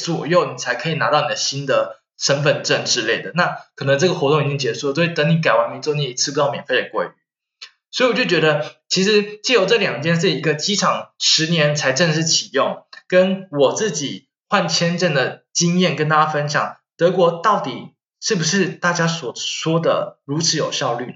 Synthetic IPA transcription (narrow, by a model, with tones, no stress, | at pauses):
t͡swɔ˨˩jo˥˩ʊni˨˩t͡sʰa˧˥ɪkʰɤ˧˥i˨˩na˧˥t̪ɑ˥˩ʊni˨˩d̪ə˦ɕi˦˥nd̪ə˨ | ʂə˥nfə˨˩nʈ͡ʂə˥˩nʈ͡ʂɻ̩˥le˥˩ɪd̪ə˩na˥˩kʰɤ˨˩nə˧˥ŋʈ͡ʂɤ˥˩ɡə˩xwɔ˧˥t̪ʊ˥˨ŋi˨˩t͡ɕi˦˥ŋt͡ɕjɛ˧˥ʂu˥˩lə˩˥˩t̪ɤ˧˥ni˧˥k̬a˨˩ɪwa˧˥nmi˧˥t͡sni˧˩i˧˥t͡s̩ʰ˥˩u˧˥˩mjɛ˨˩nfe˥˩ɪə˨˩kwḛ˥˩ɪy̰˨˩˦ | swɔ˧˥i˨wɔ˨˩t͡ɕo˥˩t͡ɕɥɛ˧˥d̪ə˧t͡ɕʰi˧˥ʂɻ̩˧˦t͡ɕjɛ˥˩jo˨˩ʊʈ͡ʂə˥˨ljɑ˨˩ŋt͡ɕjɛ˥˧nʂ̬̩˥˩i˧˥ɡə˧t͡ɕi˥ʈ͡ʂʰɑ˨˩ŋʂɻ̩˧˥njɛ˧˥nt͡sʰa˧˥ɪʈ͡ʂə˥˧nʂɻ̩˥˩t͡ɕʰi˨˩jʊ˥˩ŋkə˥nwɔ˨˩t͡sɹ̩˥˩t͡ɕi˨˩ | xwa˥˩nt͡ɕʰjɛ˥nʈ͡ʂə˥˩nd̪ə˩t͡ɕi˥ŋjɛ˥˩nkə˥nt̪a˥˩ja˥fə˥nɕjɑ̰˨˩˦ŋ | t̪ɤ˧˥kwɔ˧˥t̪ɑ˥˩ʊt̪i˨˩ | ʂɻ̩˥˩bu˩ʂɻ̩˥˩˧t̪a˥˩t͡ɕja˥swɔ˨˩ʂwɔ˥d̪ə̰˨ɻu˧˥t͡sʰɻ̩˧˥jo˨˩ʊɕjɑ˥˧ʊly˥˩n